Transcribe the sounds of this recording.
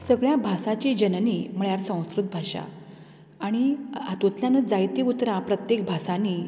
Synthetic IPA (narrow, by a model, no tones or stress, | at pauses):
səɡɭjabʱasat͡ɕid͡ʑənnim̤əɭjaɾsə̃w̃skɾut̪̚bʱaɕa̰ː | ɽ̃iat̪õt̪ljanəd͡zajt̪iut̪ɾãpɾət̪jek̚bʱasani